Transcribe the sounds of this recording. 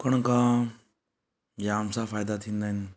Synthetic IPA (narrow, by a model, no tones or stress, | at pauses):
kəɳ̃ka | d͡ʒaːmsafaːjd̪at̪ʰĩnd̪an